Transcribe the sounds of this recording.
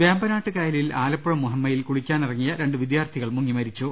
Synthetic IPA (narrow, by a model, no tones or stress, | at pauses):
ʋeːmbɐnaːʈːɨkɐjɐlilaːlɐpːuɻɐmːuɦɐmːɐjilkuɽikʲːaːnirɐŋːijɐɾe̞ɳɖɨʋid̪jaːrt̪ʰiɣɐɭmuŋːimɐɾit͡ɕːu